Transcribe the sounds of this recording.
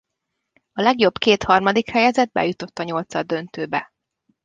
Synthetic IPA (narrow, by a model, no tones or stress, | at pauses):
ɒlɛɡjo̞bkeːt̪hɒrmɒd̪ikhɛjɛzɛd̪̚bɛ̰jut̪o̞t̪ːɒɲo̞lt̪sɒd̪ønt̪øːbɛ